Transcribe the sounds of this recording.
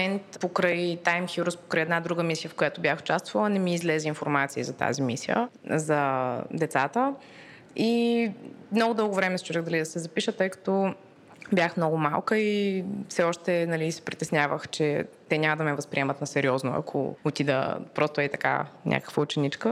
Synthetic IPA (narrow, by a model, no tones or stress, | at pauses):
mɛnt̪pokɾəjt̪ajmxiɾuspo̥kɾəjɛd̪nad̪ɾuɡəmisijəfkojat̪ʊbʲjaxʊ̥t͡ʃast̪v̥ɐlˠənɛmiːzlɛziinfoɾmat̪siizɐt̪a̰zimisḭjə̰zɐd̪ɛt̪sat̪ə | i | mnɔɡʊd̪ɤlˠɡʊvɾɛmɛst͡ʃuɾɛɣd̪ɐlid̪ɐsɛzɐpiʃət̪ɤjkɐ̥t̪ɔ | bʲjaxmnɔɡʊmalˠkəifsɛɔʃt̪ɛnɐlisɛ̥pɾʲit̪ɛsnʲjavəxt͡ʃɛt̪ɛɲʲamɐd̪ɐmɛvɐspɾʲiɛmɐt̪nɐsɛɾiɔzno̰ɐ̰kʰo̰ot̪id̪ə̰pɾɔst̪ʊɛit̪ɐka̰nʲʔa̰kə̥kvəʊt͡ʃɛnit͡ʃkə